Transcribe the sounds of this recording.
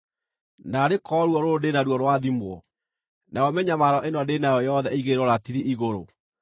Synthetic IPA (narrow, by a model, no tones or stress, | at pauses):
naɾekɔɾwɔɾoodenaɾwɔɾwaðimwɔ | naɔmɛɲamaɾɔʔenɔdenajɔjɔðɛiɣeɾɔɾatiɾeʔiɣoɾo